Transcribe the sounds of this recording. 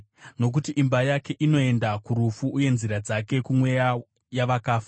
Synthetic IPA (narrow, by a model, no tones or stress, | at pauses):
no̞k̬utiʔimbajake̞ʔino̞e̞ndakuɾufuʔːje̞nziɾad͡zake̞kumwe̞ja | jaʋakaːfa